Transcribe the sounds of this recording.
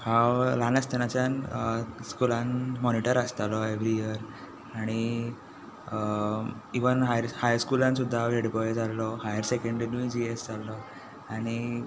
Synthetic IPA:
hãwlanəst̪enat͡ɕjanskulãnmɔniʈəɾast̪alɔeʋɾijiəɾ | aɽ̃i | iʋənɦajɾhajskulãnsud̪ʱːaʋeɽbɔjd͡zalːɔhajəɾsekə̃ɳɖinud͡ʑiesd͡zalːɔ | aɽ̃i

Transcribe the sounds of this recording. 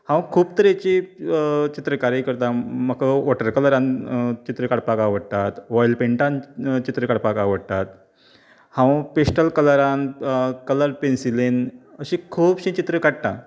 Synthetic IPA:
hãwkʰuːbt̪əɾat͡ɕi | t͡ɕit̪ɾəkaɾjikəɾt̪ãməkəʋɔʈəɾkələɾãnt͡ɕit̪ɾəkaɽpakaʋəɽt̪at̪ʋɔjlpeɳʈãnt͡ɕit̪ɾəkaɽpakaʋəɽt̪at̪ | hãwpesʈəlkələɾãnkələɾpensilenəɕĩkʰuːbɕĩt͡ɕit̪ɾəkaɽt̪a̰

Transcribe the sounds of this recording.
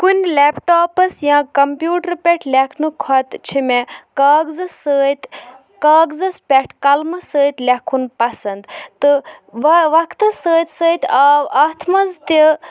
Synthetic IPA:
kunʲlʲeːpʈoːpɐsjãːkɐmpjuːʈəɾpʲeʈʰlʲekʰnɨkʰɔt̪t͡ʃʰimekaːɡzɨsəːt̪ʲ | kaːɡzɐspʲɛʈʰkɐlmɐsəːt̪ʲlʲekʰunpɐsɐnd̪t̪ɨʋɐʋɐkʰt̪ɨsəːt̪ʲsəːt̪ʲaːaːt̪ʰmɐzt̪i

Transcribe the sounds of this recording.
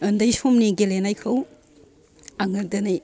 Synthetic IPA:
ɯndɐjsumniɡelenajkʰɐw | aŋɯl̚dɐnaj

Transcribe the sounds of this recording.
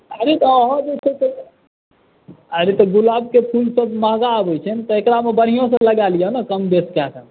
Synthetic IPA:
əɾit̪ɔɦɔ̃d̪et͡ʃʰəsə | əɾit̪ɔɡulab̚kepʰulsəbməɦɡaːbəjt͡ʃʰənt̪ɔekɾamebəɽ̤ijõsə̃ləɡalijənəkəmd̪eskasʰən

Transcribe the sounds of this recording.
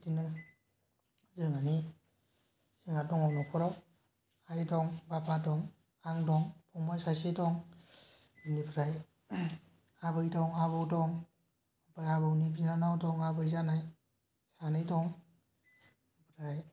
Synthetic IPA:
tinɯ | zɯŋani | siŋadɔŋɔwnɔkʰɔɾɔw | ajdɔŋbapadɔŋ | aŋdɔŋpʰɔŋbajsasidɔŋ | bindibɯɾaj | aβɯjdɔŋaβɯwdɔŋ | bajabɯwnibinanawdɔŋabɯjzanaj | sanɯjdɔŋ | bɯɾaj

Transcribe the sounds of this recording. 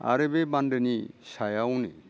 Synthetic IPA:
a̰ɾebebandenisajawnḛ

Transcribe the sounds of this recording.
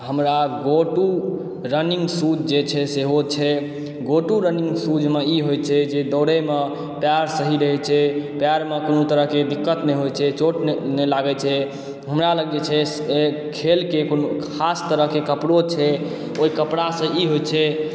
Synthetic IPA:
ɦəmɾaɡoʈu | ɾənĩŋɡsud͡ʒd͡ʒet͡ʃʰɛseɦot͡ʃʰɛ | ɡoʈuɾəniŋɡsud͡ʒmeiɦojt͡ʃʰɛd͡ʒed̪əʊɾəme | pjaɾsəɦiɾəɦɛt͡ʃʰɛpjaɾmekonot̪əɾəɦked̪ikːət̪neɦojt͡ʃʰɛt͡ʃoʈnnelaɡɛt͡ʃʰɛ | ɦəmɾaləɡet͡ʃʰɛ | e | kʰelkekonoast̪əɾəɦkekəpɽot͡ʃʰɛ | oɦikəpɽasə̃ʔiɦojt͡ʃʰɛ

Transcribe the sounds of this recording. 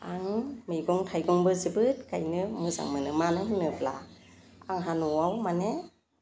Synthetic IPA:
aŋmɯjɡɔŋtʰajɡɔŋbɯzibɯt̚kajnɯmɯza̰ŋmɯnɯmanɯɦɯnɯpʰla̰ | aŋɦanɔwawmane

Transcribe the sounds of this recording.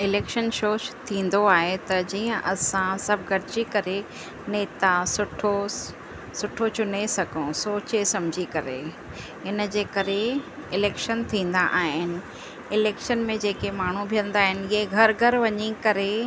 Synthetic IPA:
ɪleːkʃənʃoːʃt̪ʰĩːn̆d̪oaːɦet̪ɐd͡ʑiːə̃ʔɐsãsɐbʱɡʱɐɾɪd͡ʑikɐɾe | neːt̪asʊʈʰo | sʊʈʰot͡ɕʊnesɐɡʱõsoːt͡ɕesɐ̃md͡ʑʱikɐɾḛ | ɪn̆d͡ʑeːkɐɾe | ɪleːkʃənt̪ʰĩːn̆d̪aʔaːɦɪnɪ̆ | ɪleːkʃənmẽd͡ʑeːkemaːɳ̤ũbʱijə̃nd̪aːɦɪnɪɦeɡʱɐɾɡʱɐɾʋɐɲikɐɾe

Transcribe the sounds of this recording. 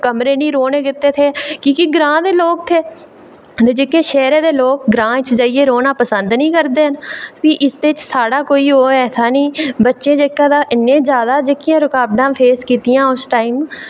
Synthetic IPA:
kəmɾeːnĩːɾoːnẽːɡɪt̪ːeːt̪ʰeːkĩːkiɡɾãːd̪eːloːk̚t̪ʰeː | t̪eːd͡ʒeːkeːʃɛːɾeːd̪eːloːk̚ɡɾãːt͡ʃd͡ʒaːieːɾoːnaːpəsənd̪nĩːkəɾd̪eːɦənpiːʔɪsd̪eːt͡ʃsaːɽaːkoːiːɦoːɛːt̪ʰaːnĩːbətːʃẽːd͡ʒeːkːãːd̪aːʔɪnːẽːd͡ʒjaːd̪aːd͡ʒeːkːɪjãːɾʊkaːbɖãːpʰeːskiːt̪ɪjãːʊsʈaːiːm

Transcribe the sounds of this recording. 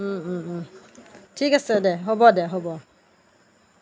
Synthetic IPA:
tʰikasɛdɛɦɔbɔdɛɦɔbɔ

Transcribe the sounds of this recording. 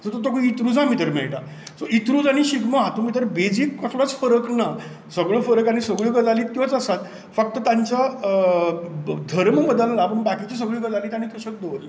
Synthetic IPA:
sət̪ot̪okəit̪ɾud͡zʱãmit̪əɾmḛɭʈa̰ | soit̪ɾuːd͡zaɽ̃iɕiɡmaɦat̪umit̪̬əɾbed͡ziːkːəslat͡sfəɾəkna | səɡɭofəɾəkaɽ̃isəɡɭiːɡəd͡zaliːt̪jɔt͡səsat̪ | fək̚t̪ət̪jaɲt͡ɕa | d̪ʱəɾməbəd̪əlːaːpəɳbakit͡ɕis̬əɡɭiːɡəd͡zaliːt̪añit̪əɕək̚d̪oʋl

